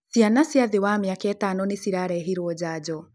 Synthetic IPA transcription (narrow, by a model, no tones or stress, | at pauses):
sianasjaðewamjakɛtanɔnesiɾaɾɛɦiɾwɔd͡ʑaːd͡ʑɔ